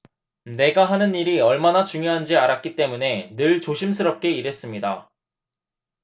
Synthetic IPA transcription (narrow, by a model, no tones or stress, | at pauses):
ne̞ɡaɦanɯniɾiʌɭmanat͡ɕuŋjoɦand͡ʑiaɾak͈̚it͈e̞mune̞nɯɭt͡ɕoɕʰimsʰɯɾʌp̚k͈e̞iɾe̞s͈ɯmɲida̰